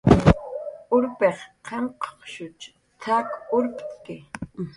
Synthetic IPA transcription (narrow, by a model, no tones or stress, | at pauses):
ʊɾpeχqʰeɴqʰo̥χʃʊt͡ʃ | t̪ʰakʊɾp̪ʼkɪ